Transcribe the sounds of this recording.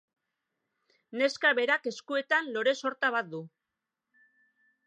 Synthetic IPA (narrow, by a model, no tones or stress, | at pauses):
ne̞skaβe̞ɾake̞skue̞t̪anlo̞ɾe̞so̞ɾt̪aβat̪̚d̪u